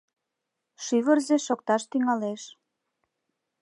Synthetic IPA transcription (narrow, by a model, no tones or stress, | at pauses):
ʃyβərzeʃok̚t̪ɑʃt̪yŋɑleʃ